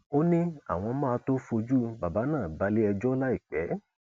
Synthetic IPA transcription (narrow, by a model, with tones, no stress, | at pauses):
o˦nĩ˦a̰˨w̃ɔ̃˧mãː˦a˧to˦fo˧d͡ʒu˦ba˨ba˨˦nãː˦˨ba˨˦le˦ɛ˧d͡ʒɔ˦la˦i˦˨k͡pɛ˨˦